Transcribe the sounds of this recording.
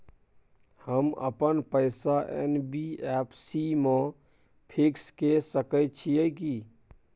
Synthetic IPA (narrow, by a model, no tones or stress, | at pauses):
həmə̰pənpəɪsaʔḛnbiɛpʰsime | pʰikskesəkət̪̚t͡ʃʰijəki